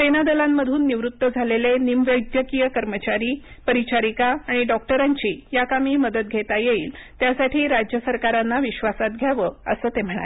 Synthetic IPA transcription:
senad̪əlamːəd̪ʱuːnːiʋɾut̪ːəd͡zʱalelenimʋəjd̪jəkijəkəɾmət͡ɕaɾiːpəɾit͡ɕaɾikaːɽ̃iɖɔk̚ʈəɾaɲt͡ɕiːjakamiːməd̪ət̪̚ɡʱet̪ajeiːlt̪jasaʈʰiːɾad͡ʑjəsəɾkaɾanːaʋiɕʋasat̪̚ɡʱjaʋəːəsəːt̪em̤əɽ̃a̰le

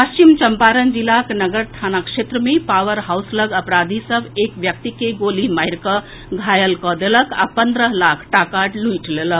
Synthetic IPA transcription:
pəst͡ʃimt͡ʃəmpaɾənd͡ʒilaknəɡəɾt̪ʰanakʃet̪ɾəmepawəɾɦawsləɡəpɾad̪ʱisəbekʋjək̚t̪ikeɡolimajɾkə | ɡʱajəlkɔd̪eləkʰa̰pənd̪ɾəɦlakʰʈakaʈlujʈʰleləkʰ

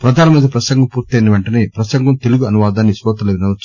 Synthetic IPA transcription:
pɾɐd̪ʱaːnɐmiːd̪ɐpɾɐsɐŋɡɐmpuːɾt̪ɐjnɐʋeɳʈɐneːpɾɐsɐŋɡɐmt̪eluɡuɐnuʋaːd̪aːnːisʋɔːt̪ɐlɐʋinɐʋɐt͡ʃː

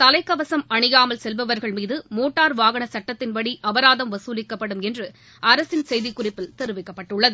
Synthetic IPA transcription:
t̪ɐlɐɪkːɐʋɐsɐmɐɳɯjaːmɐlsɛlʋɐʋɐɾɣɐɭmiːðɯmoːʈːaːɾʋaːɣɐɳɐsɐʈːɐt̪ːɪnʋɐɽiʔɐʋɐɾaːðɐmʋɐsuːlɪkːɐpːɐɽɯmɛndrɯ | ɐɾɐsɪnsɛjðɪkːʊrɪpːɪlt̪ɛɾɯʋɪkːɐpːɐʈːɯɭːɐðɯ

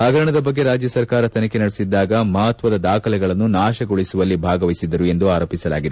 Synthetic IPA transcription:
aːɡʱɐɾɐɳɐd̪ɐbɐɡːe̞ɾaːd͡ʒjɐsɐɾkaːɾɐt̪ɐnɐke̞nɐɽesid̪ːaːɡɐmɐɦɐt̪ʋɐd̪ɐd̪aːkʰɐlɛɡɐɭɐnːunaːʃɐɡoɭisuʋɐlːibʱaːɡɐʋɐisid̪ːɐɾue̞nd̪uaːɾoːpisɐla̰ːɡid̪e

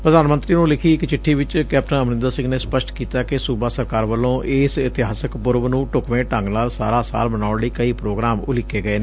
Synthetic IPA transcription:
pɾəd̪aːnmə̃nt̪ɾiːnũːlɪkʰiːɪkt͡ʃɪʈʰːiːʋɪt͡ʃkɛːp̚ʈənəmnɪ̃nd̪əɾsɪ̃ŋɡneːspəʃʈkiːt̪aːkɪsuːbaːsəɾkaːɾʋəlːõːʔɪːsɪt̪ɪɦaːsəkpʊɾʋnũːʈʊkʋẽːʈə̃ŋɡnaːlsa̰ːɾaːsa̰ːlbənaːʊɳləiːkəiːpɾoːɡɾaːmʊlɪkːeːɡəeːneː

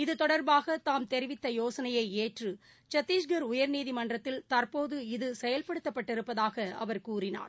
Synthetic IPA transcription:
ɪðɯt̪ɔɽɐɾbaːɣɐt̪aːmt̪ɛɾɪʋɪt̪ːɐjoːsɐnɐjɐɪeːʈrɯ | t͡ʃɐt̪ːiːsɡɐɾʊjɐɾniːðimɐɳdrɐt̪ːɪlt̪ɐɾpoːðɯɪðɯsɛjɐlpɐɽɯt̪ːɐpːɐʈːɪɾɯpːɐðaːɣɐɐ̰ʋɐɾkuːrɪna̰ːɾ

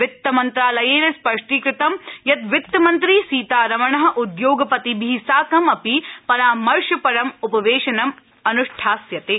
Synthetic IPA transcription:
ʋɪt̪ːɐmɐnt̪ɾaːlɐjeːnɐspɐʂʈiːkɾɪt̪ɐmjɐt̪ʋɪt̪ːɐmɐnt̪ɾiːsiːt̪aːɾɐʋɐɳɐɦɐ̆ʔud̪joːɡɐpɐt̪ibʱisaːkɐmɐpipɐɾaːmɐɾʃɐpɐɾɐmupɐʋeːʃɐnɐm | ɐnuʂʈʰaːsjɐt̪eː

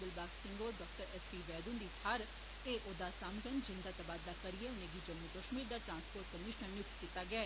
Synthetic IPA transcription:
ʊlbaːksɪ̃ŋɡoːɖɔːk̚ʈəɾɛspiːʋɛːd̪und̪itʰaɾ | eːʔoːd̪aːsamɡənd͡ʒɪ̃nd̪aːt̪əbaːd̪laːkəɾieʊnẽɡid͡ʒəmukəʃmiːɾd̪aːʈɾãːnspoːɾʈ̚kəmɪʃnənːjʊkt̪kɪt̪ːaːɡɪɛː

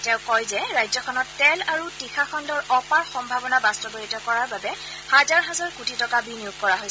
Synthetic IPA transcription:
tɛʊ̃kɔjzɛɹajzɔkʰɔnɔtːɛlaɹutixʰakʰɔndɔɹɔpaɹxɔmbʱabɔnabastɔɡoɹitɔkɔɹaɹbabɛ | hazaɹɦɛzaɹkutʰitɔkabinijuɡ̚kɔɹaɦojsɛ

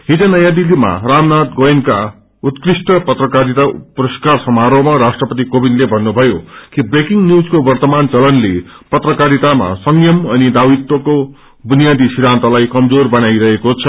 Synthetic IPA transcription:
ɦid͡zʌnʌjãd̪ilima̰ramnat̪ɡojnka | ut̪krisʈʌpʌt̪rʌkaɾit̪apuɾʌskarsʌmaɾomaɾasʈrʌpʌt̪̬ikobinlebʱʌnːubʱʌjokibrekiŋnjud͡zkobʌrt̪ʌmant͡sʌlʌnle | pʌt̪rʌkaɾit̪ama̰sʌŋjʌmʌnid̪awit̪ːʌko | bunijad̪isiɾãnt̪ʌlajkʌmd͡zorbʌnajɾʌɦekot͡sʰʌ

